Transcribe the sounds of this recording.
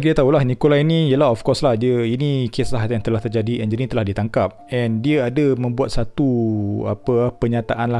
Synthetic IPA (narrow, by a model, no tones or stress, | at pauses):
kidiət̪aulahnikolainĩjəlaɦɔfkɔslahdiəinikʰeslaɦjãŋt̪əlaht̪ərd͡ʒadiʔɛ̃nd͡ʒənĩt̪əlahdit̪aŋkap̚ɛ̃ndiəadəmə̃mbuat̪̚sat̪ua̰pəapəɲat̪aʔanla